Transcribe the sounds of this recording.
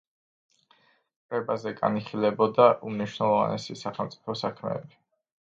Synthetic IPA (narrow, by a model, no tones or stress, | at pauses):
kʼvɛbazɛɡa̰niχilɛbɔd̪aʔumniʃwnɛlˠɔva̰nɛsisaχɛlˠmt̪sʼi̥pʰɔsakʰmɛ̰ːbi